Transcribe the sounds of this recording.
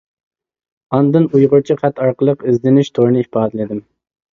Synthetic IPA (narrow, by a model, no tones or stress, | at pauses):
ɑnd̪ɨnujʁʊɾt͡ʃʰiχɛt̪ɑɾqəlˠəqizd̪lɪnɪʃt̪ʰoɾnɨipʰɑːd̪ɨlɪd̪ɪm